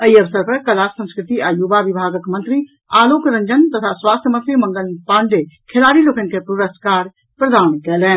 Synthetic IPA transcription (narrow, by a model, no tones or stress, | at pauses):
ɐiɐʋsəɾpɐɾkɐlaːksə̃nskɾɪt̪iʔaːjuːbaʋɪbʱaːɡəkmɐ̃nt̪ɾi | aːloːkɾɐ̃ɲd͡ʒənt̪ɐt̪ʰaswaːst̪ʰəməsjəmɐ̃ŋɡəlpãːɳɖekʰelaːɾiloːkənkepɾuɾəskaːɾ | pɾɐd̪ʱaːɾɳ̃kɛːlɛ̃ː